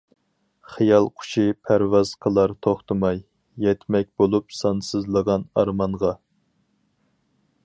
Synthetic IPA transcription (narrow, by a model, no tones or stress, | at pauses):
χijɑlˠqʰʊ̥ʃʰipʰæɾvɑz̥qʰəlˠɑɾt̪ʰoχt̪ʰɨmɑjː | ɛt̪mɛk̚ʲbolˠupsɑnsɨzlˠəʁɑnɑɾmɑɴʁɑ